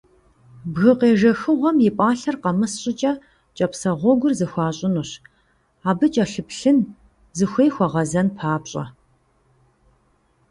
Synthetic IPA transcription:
bɣɨqeːʒɐxɨʁʷɔmjɪpʷʼɑːɬɐrqɐmɨsɕʼɪt͡ʃʼɐ | t͡ʃʼɐpsɐʁʷɔɡʷʊrzɨxʷɑːɕʼɪnuɕ | aːbɨt͡ʃʼɐɬɨpɬɨn | zɨxʷeːjxʷɔʁɐzɐnpʰaːpɕʼɐ̰

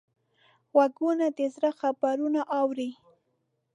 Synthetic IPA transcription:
waɡunad̪ɪzɾaxabaɾunaʔɑwɾi

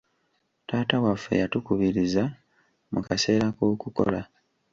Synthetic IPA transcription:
taːtawafːe̞̰jatukuβiɾiza | mukase̞ːɾakoːkuko̞̰la

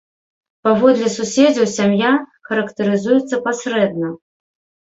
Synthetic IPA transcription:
pavɔd̪lʲɛsusʲed͡zʲɐwsʲamjaxɐɾɐkt̪ɨɾɨzujɛt̪sːɐpasʲɾɛd̪̚nɐ

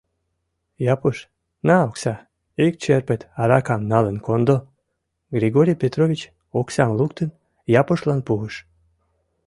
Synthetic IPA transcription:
japuʃ | naoksa | ik̚t͡ʃeɾpet̪aɾakamnalˠɨnkond̪o | ɡɾiɡoɾʲipʲet̪ɾovʲit͡ɕ | ɔksamlˠukt̪ɨn | japuʃlˠanpuɨʃ

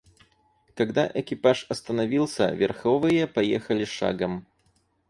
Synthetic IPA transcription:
kɐɡd̪aʔɛkʲɪpaʂɐst̪ɐnɐvʲilˠsʲə̰vʲɛrxɔvɨjəpɐjɛxɐlʲɪʂa̰ɡɐm

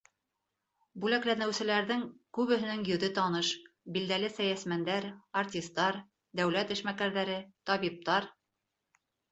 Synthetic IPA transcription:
bʉlæklænɘ̆wsɘ̆læɾðɘŋkʉβɘ̆ɦɘ̆nɘŋjɵ̆ðɘt̪ɑnɤʃ | bild̪ælɘsæjæsmænd̪æɾart̪ʲist̪ːɑɾ | d̪æwlæt̪ɘ̆ʃmækæɾðæɾɘt̪ɒβip̚t̪ɑɾ

